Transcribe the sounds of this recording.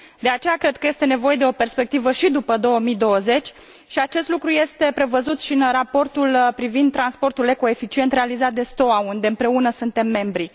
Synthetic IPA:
d̪e̞at͡ʃe̞jakɾe̞d̪̚kəje̞st̪ene̞vo̞je̞d̪eo̞pe̞rspe̞k̚t̪ivəʃid̪upəd̪o̞wəmid̪o̞wəze̞t͡ʃʲ | ʃiat͡ʃe̞st̪lukɾuje̞st̪e̞pɾe̞vəzut̪ʃinrapo̞rt̪ulpɾivind̪̚t̪ːɾanspo̞rt̪ule̞ko̞e̞fit͡ʃie̞nt̪re̞alizat̪̚d̪e̞st̪o̞aund̪eɨmpɾe̞unəsunt̪e̞mːe̞mbɾi

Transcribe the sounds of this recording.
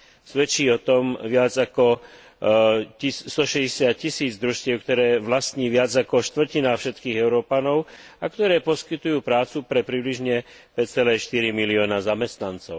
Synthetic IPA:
sʋɛt͡ʃiːɔt̪ɔmʋɪad͡zakɔ | ist̪ɔʃɛɟɛsɪat̪̚cisiːd͡zd̪ɾuʃtcɪɛʊkt̪ɔɾɛːʋlast̪ɲiːʋɪad͡zakɔʃt̪ʋr̩cinaːfʃɛt̪kiːɣɛʊɾɔːpanɔʊakt̪ɔɾɛːpɔskit̪ujuːpɾaːt͡supɾɛpɾibliʒɲɛ | pɛct͡sɛlɛːʃt̪iɾimiliɔːnazamɛst̪nant͡sɔʊ

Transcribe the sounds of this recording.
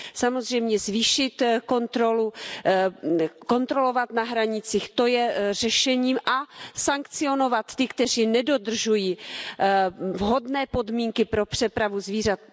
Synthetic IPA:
samo̞zr̝ɛjmɲɛzviːʃɪt̪ko̞nt̪ɾo̞lu | ko̞nt̪ɾo̞lo̞vat̪naɦɾaɲɪt͡siːxt̪o̞jɛrɛʃɛɲiːmʔasaŋkt͡sɪo̞no̞vat̪ːɪkt̪ɛr̝iːnɛdo̞d̪r̩ʒujiː | vɦo̞dnɛːpo̞dmiːŋkɪpɾo̞pr̝̥ɛpɾavuzviːrat̪̚

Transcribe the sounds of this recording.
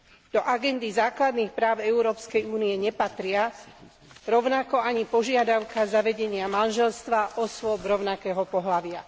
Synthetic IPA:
d̪̥ɔʔaɡɛnd̪izaːklad̪niːxpɾaːʊɛuɾɔːpskɛjuːniɛɲɛpat̪ɾɪa | ɾɔʊnakɔaɲipɔʒɪad̪aʊkazaʋɛɟɛɲɪamanʒɛlst̪ʋaʔɔsʋɔbɾɔʊnakɛːɦɔpɔɦlaʋɪa

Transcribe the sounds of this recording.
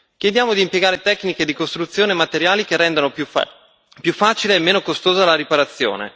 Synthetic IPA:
kjed̪jaːmod̪iːmpjeɡaːɾet̪ɛkːniked̪ikost̪ɾut̪sːjoːnemat̪eɾjaːlikerːɛnd̪ano | pjufːaːt͡ʃileːmːeːnokost̪oːzalaɾipaɾat̪sːjo̰ːnḛ

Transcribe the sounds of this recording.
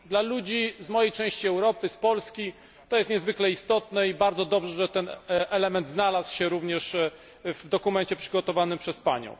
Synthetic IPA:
d̪lalud͡ʑizmɔjejt͡ʂɛ̃w̃ɕt͡ɕiɛwɾɔpɘspɔlskʲi | t̪ɔjɛst̪ɲɛzvɘklɛist̪ɔt̪nɛibaɾd̪zɔd̪ɔbʐɛʐɛt̪ɛnʔɛlɛmɛnd̪znalaswɕɛɾuvɲɛʂ | vd̪ɔkumɛɲt͡ɕɛpʂɘɡɔt̪ɔvanɘmpʂɛspa̰ɲɔ̰̃w̃

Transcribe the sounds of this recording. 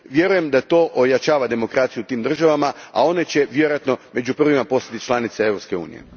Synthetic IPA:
ʋje̞ɾuje̞md̪at̪o̞ːʔojat͡ɕaːʋad̪e̞mo̞kɾat̪sijut̪iːmd̪r̩ʒaʋamaa̰o̞ne̞t͡ɕe̞ʋjeɾojat̪no̞me̞d͡ʑupr̩ʋimapo̞sat̪it͡ʃlˠanit̪seevɾo̞pske̞ṵːnḭjḛ

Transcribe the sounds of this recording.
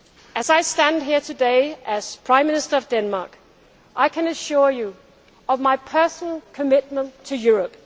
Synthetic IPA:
ɨzaɪstæ̃nd̚ɦiɹtʰɨdeɪɨz̥pʰɹ̥ãɪ̃mːɪ̃nɨstə˞ʌvdɛ̃nmɑ̰ɹk | ʔaɪkʰɨ̃nɨʃʊɹju | ʌvmaɪpʰɜ˞sn̩l̩ˠkʰɨmɪt̚mə̃ntʰɨjʊɹəp

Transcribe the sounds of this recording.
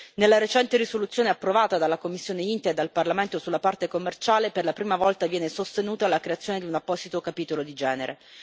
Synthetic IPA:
nelːaɾet͡ʃɛnt̪eɾisolut̪sːjoːneapːɾovaːt̪ad̪alːakomːisːjoːneint̪aed̪ːalparlament̪osulːapart̪ekomːert͡ʃaːleperlapɾiːmavɔlt̪avjɛːnesost̪enuːt̪alakɾeat̪sjoːned̪iunapːɔsit̪okapiːt̪olod̪id͡ʒɛːneɾʔḛ

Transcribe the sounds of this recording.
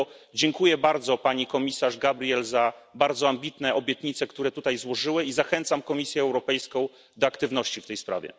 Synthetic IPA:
d͡ʑɛŋkujɛbaɾd̪zɔpaɲikɔmʲisaʐɡabɾʲijɛlzabaɾd̪zɔambʲit̪nɛʔɔbʲjɛt̪ɲit̪sɛkt̪uɾɛt̪ut̪ajzwɔʐɘwɘizaxɛnt̪samkɔmʲisʲjɛːwɾɔpɛjskɔ̃w̃ | d̪ɔakt̪ɘvn̪ɔɕt͡ɕift̪ɛjspɾa̰vʲjɛ̰

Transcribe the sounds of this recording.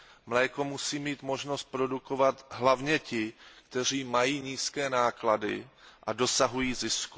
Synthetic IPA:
mlɛːko̞musiːmiːt̪mo̞ʒno̞st̪̚pɾo̞duko̞vat̪ɦlavɲɛcɪkt̪ɛr̝iːmajiːɲiːskɛːnaːkladɪ̰ʔado̞saɦujiːzɪsku

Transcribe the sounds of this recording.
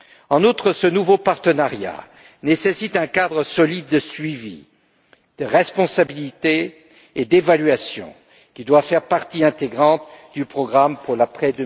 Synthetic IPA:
ɑ̃nut̪χəsənuvopaʁt̪ənaʁja̰ | nesesit̪ɛ̃kad̪ʁəsɔlid̪̚ːəsɥivḭ | d̪̥əʁɛspɔ̃sabilit̪eː | d̪evalɥasjɔ̰̃ | kʲid̪wafɛʁpaʁt̪iɛ̃t̪eɡʁɑ̃t̪d̪ypχɔɡʁampuʁlapχɛd̪ə

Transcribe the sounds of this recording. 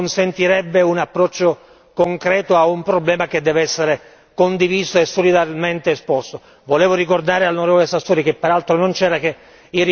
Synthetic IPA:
nsent̪iɾɛbːeunapːɾɔt͡ʃːo | koŋkɾɛːt̪oaumpɾoblɛːmaked̪ːɛːvɛsːeɾe | kond̪iviːsoesːolid̪aɾment̪eːspɔst̪o | voleːvorikord̪aːɾealnoɾɛːvolesast̪ːoːɾik̟epːeɾalt̪ɾonont͡ʃɛːɾake | i

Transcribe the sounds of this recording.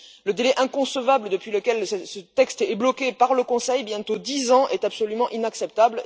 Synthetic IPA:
ləd̪elɛʔɛ̃kɔ̃səvabləd̪əpɥiləkʲɛlssət̪ɛkst̪blɔkʲepaʁləkɔ̃sɛjbjɛ̃t̪od̪izɑ̃ʔɛt̪apsɔlymɑ̃ʔinaksɛp̚t̪abl

